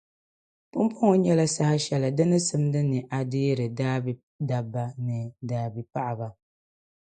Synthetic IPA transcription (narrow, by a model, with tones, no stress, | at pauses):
pʊ˦mpʰo˦ŋɔ˨ɲɛ˦la˦sa˦ha˦ʃɛ˨la˨dɨ˦nɨ˦sɨ˦m˦dɨ˦nɨ˨ʔa˨dɪː˦ɾɨ˨daː˦b | da˨bːa˦nɨ˨daː˨bi˨pa˦ʔa˨ba˨